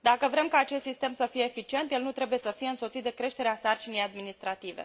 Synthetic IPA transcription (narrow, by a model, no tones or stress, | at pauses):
d̪akəvɾe̞mkaːt͡ʃest̪sist̪e̞msəfijeːfit͡ʃie̞nt̪jelnut̪ɾe̞buje̞səfije̞ɨnsot̪sit̪̚d̪e̞kɾe̞ʃt̪eɾeasart͡ʃinejad̪minist̪ɾat̪ivḛ